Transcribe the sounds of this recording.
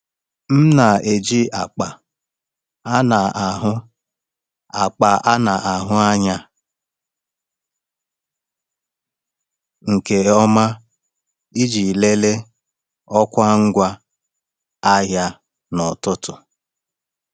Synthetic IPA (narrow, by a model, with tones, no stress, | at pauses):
m̩˦na˨e˨d͡ʒi˦a˨k͡pa˨ | a˦na˨a˨ɦʊ˦ | a˨k͡pa˨ʔa˦na˨ʔa˨ɦʊ˦a˦ɲa˦ | ŋ̩˨ke˨ɔ˦ma˦ | i˦d͡ʒi˨le˦le˦ | ɔ˦kʷa˦ŋ̩˦ɡʷa˦ | a˦ɦja˦ | nɔ˨tʊ˦tʊ˨